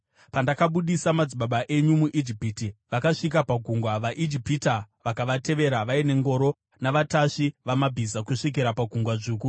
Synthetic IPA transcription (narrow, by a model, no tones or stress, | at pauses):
pandakaɓuɗisamad͡ziɓaɓaʔe̞ɲumuʔid͡ʒipitiʋakaʂik̬apaɡʱuŋɡwaʋaʔid͡ʒipitaʋakaʋate̞ʋe̞ɾaʋaine̞ŋɡo̞ːɾo̞ | naʋataʂiʋamabʱizakuʂik̬iɾapaɡʱuŋɡwaʐuːku